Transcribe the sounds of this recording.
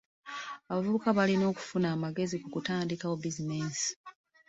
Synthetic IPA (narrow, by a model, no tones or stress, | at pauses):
aβavuβukaβalino̞ːku̥funaːmaɡe̞zikukutaːndikaobizine̞ːsi̥